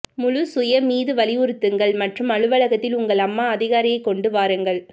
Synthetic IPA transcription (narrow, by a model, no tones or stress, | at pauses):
mʊɻʊsʊjɐmiːðɯʋɐlɪʊɾɯt̪ːɯŋɡɐɭmɐʈrɯmɐɻɯʋɐɭɐɣɐt̪ːɪlʊŋɡɐɭɐmːaːɐðɪɣaːɾɪjɐɪkːɔɳɖɯʋaːɾɯŋɡɐɭ